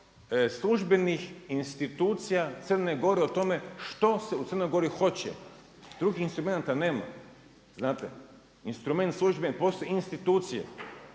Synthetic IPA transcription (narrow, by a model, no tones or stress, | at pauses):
slˠuʒbe̞nixinst̪it̪uːt̪sijat̪sər̩neɡo̞ɾeot̪o̞me̞ʃt̪o̞seut̪sərnojɡo̞ɾixo̞t͡ɕɛ̰ | d̪̥ɾuɡixinst̪ɾumenat̪aneːma̰ | znaːt̪ḛ | inst̪ɾume̞nt̪slˠuʒbenipoːst̪ojeinst̪it̪uːt̪sijḛ